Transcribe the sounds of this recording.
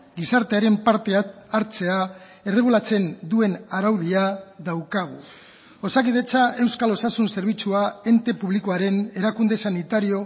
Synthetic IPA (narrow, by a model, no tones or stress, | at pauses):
ɡisaɾt̪e̞aɾe̞mpaɾt̪eaɾt͡se̞a | e̞re̞ɣ̞ulat͡se̞nd̪ue̞naɾawðiaðawkaɣ̞u | o̞sakið̞e̞t͡sae̞wskalo̞sasunse̞ɾβ̞it͡suae̞nt̪e̞puβlikoaɾe̞ne̞ɾakund̪e̞sanit̪aɾio̞